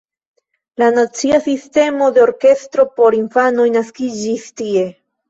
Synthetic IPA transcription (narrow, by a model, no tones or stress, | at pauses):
lanat͡siasiste̞mo̞de̞oɾke̞stɾo̞po̞ɾinfano̞jnaskid͡ʒistie̞